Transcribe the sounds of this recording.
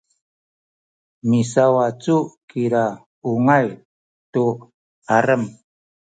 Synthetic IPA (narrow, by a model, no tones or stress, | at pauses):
misawat͡sukiɾa | uŋaj | tu | aɾəm